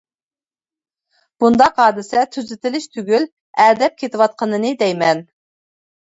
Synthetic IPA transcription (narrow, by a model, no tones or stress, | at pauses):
b̥und̪ɑqɑːd̪ɪsɛt̪ʰyzɪt̪ɪlɪʃt̪ʰyɡʲyl | æɾd̪ɛp̚kʲʰet̪ɪwɑt̪̚qʰənɨnɨd̪ɛjmɛn